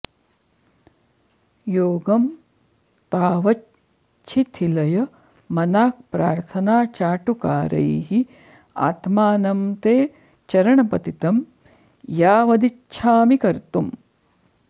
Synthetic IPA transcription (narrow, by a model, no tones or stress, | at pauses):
joːɡɐm | t̪aːʋɐ | t͡ʃʰit̪ʰilɐjɐ | mɐnaːk̚pɾaːɾt̪ʰɐnaːt͡ʃaːʈukaːɾɐ̰jɦi | a̰ːt̪maːnɐmt̪eː | t͡ʃɐɾɐɳɐpɐt̪it̪ɐm | jaːʋɐd̪i | ʃʰaːmikɐɾt̪um